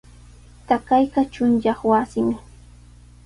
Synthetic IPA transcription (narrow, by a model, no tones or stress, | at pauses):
t̪akajɢɑt͡ʃʊnjɑχwasɪm